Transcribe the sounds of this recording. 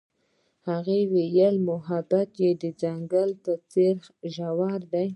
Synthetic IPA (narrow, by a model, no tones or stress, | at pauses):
haɣewejəlmʊɦabat̪jed̪əd͡zaŋɡalt̪at͡seɾxʒawaɾd̪aj